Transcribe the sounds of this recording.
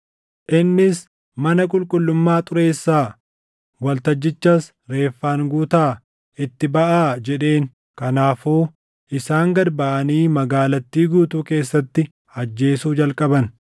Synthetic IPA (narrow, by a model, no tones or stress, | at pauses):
ʔɪnːɪs | mɐnɐkʼʊlkʼʊlːʊmːaːt̪ʼʊɾe̞ːsːaː | wɐlt̪ɐd͡ʒːɪt͡ʃːɐs | ɾe̞ːfːaːŋɡuːt̪aː | ʔɪt̪ːɪbɐʔaːd͡ʒɛᶑe̞ːŋ | kɐnaːfuː | ʔɪsaːŋɡɐɾbɐʔɐniːmɐɡaːlɐt̪ːiːɡuːt̪uːke̞ːsːɐt̪ːɪ | ɐd͡ʒːe̞ːsuːd͡ʒɐlkʼɐbɐn